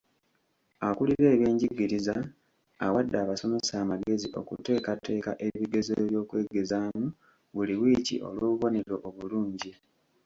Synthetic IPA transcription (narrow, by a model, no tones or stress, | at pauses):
akuliɾe̞ːβje̞ːɲɟiɡiɾizaː | wadːaːβaso̞me̞saːmaɡe̞ziʔo̞̰kṵte̞ːkatːe̞ːkaʔe̞βiɡe̞ze̞ːβjo̞ːkwe̞ːɡe̞zaːmu | βuliwiːcḭʔo̞̰lwoːβuβo̞ne̞ɾo̞ʔːβuluːɲɟi